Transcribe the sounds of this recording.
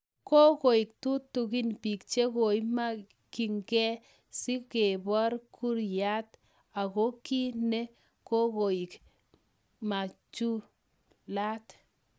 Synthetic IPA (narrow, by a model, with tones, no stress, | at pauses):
ko˦ko˨i˨k̚tu˦tːu˨ki˦npi˨kt͡ʃe˦ko˨i˦ma˦ | ki˨ŋɡɛ˦ | si˦ke˨bɔ˦ɾkʰu˦ɾja˦t | a˨ko˦ki˦ne˦ | ko˦ko˨i˨k | ma˨t͡ʃu˦ | la˦t